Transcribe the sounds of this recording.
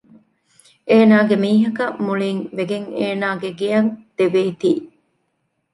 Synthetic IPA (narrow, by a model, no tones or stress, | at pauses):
ʔeːnaːɡemiːɦɐkɐmuɭiŋʋeɡeŋeːnaːɡeɡijɐŋd̪̥eʋeːt̪iː